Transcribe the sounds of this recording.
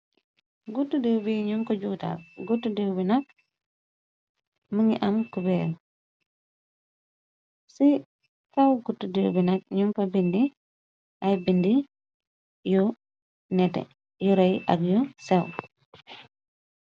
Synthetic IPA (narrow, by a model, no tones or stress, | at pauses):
ɡutːudewbiɲumkɔɟuːta̰lɡutːudewbinak̚ | məŋɡiʔamkubɛl | si | kawɡutːudewbinak̚ɲumkɔbindi | ʔajbindi | ju | nɛtɛ̰ | juɾɐjʔa̰ɡjɔsɛw